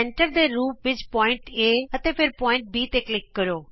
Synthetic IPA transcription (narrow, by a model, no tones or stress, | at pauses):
ɛ̃ɳʈəɾd̪eːɾuːpʋɪt͡ʃpɔːɪ̃ɳʈeːət̪eːpʰɪɾpɔːɪ̃ɳʈ̚biːt̪eklɪkːəɾoː